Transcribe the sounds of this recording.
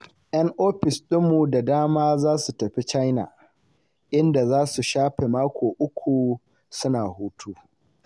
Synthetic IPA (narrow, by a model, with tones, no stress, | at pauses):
ʔjɐ˦ŋʔoː˦ɸɪ˨sɗɪ˦mːu˨da˨daː˦maː˦zaː˦su˨tɐ˨ɸi˦t͡ʃa˦jna̰˨ | ʔɪ˦nda˨zaː˦su˨ʃaː˦ɸe˨maː˦kʷʰoː˨ʔʊ˦kʷʰu˨ | sʊ˦naː˨huː˦tʰuː˦